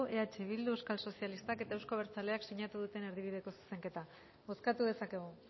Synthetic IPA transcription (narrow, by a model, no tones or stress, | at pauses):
e̞at͡ʃe̞β̞ild̪ueskalso̞sijalist̪ake̞t̪aewsko̞β̞e̞ɾt͡sale̞aksiɲat̪uð̞ut̪e̞ne̞ɾðiβið̞e̞ko̞su̥se̞ŋke̞t̪a | βo̞skat̪uðe̞sake̞ɣ̞u